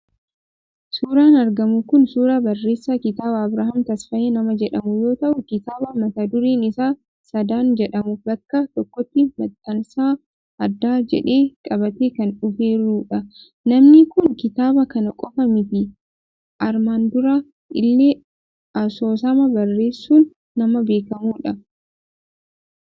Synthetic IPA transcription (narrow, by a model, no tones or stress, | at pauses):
suːɾaːnɐɾɡɐmʊkʊnsuːɾaːbɐrːe̞ːsːakɪt̪aːbɐːbɾaːhɐmt̪ɐsfɐʔeːnɐmɐd͡ʒɛᶑɐmʊjo̞ːt̪ɐʔʊkɪt̪aːbɐmɐt̪aːd̪ʊɾiːnɪsaː | sɐd̪aːnd͡ʒɛᶑɐmʊbɐkːɐt̪ɔkːɔt̪ːɪmɐt̪ʼːɐnsaː | ʔɐd̪ːaːd͡ʒɛ̰ᶑe̞ːkʼɐbɐt̪eːkɐnʊfe̞ːɾuːᶑɐ | nɐmnɪkʊŋkɪt̪aːbɐkɐnɐkʼɔfɐmɪt̪ɪ | ʔɐɾmaːnd̪ʊɾa | ʔɪlːeː | ʔɐso̞ːsɐmɐbɐrːe̞ːsːuːnː | ɐmɐbe̞ːkɐmuːᶑɐ